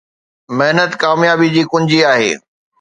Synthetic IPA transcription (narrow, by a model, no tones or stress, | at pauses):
mɐɦnət̪kaːmjaːbid͡ʑiːkʊ̃ɲd͡ʑiaːɦḛː